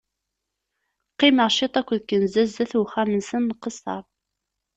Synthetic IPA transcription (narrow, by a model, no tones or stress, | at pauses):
qːiməʁʃit̪ˤækʷːðkːənzæzæθuχæmənsənːqəsˤːɑ̰ɾˤ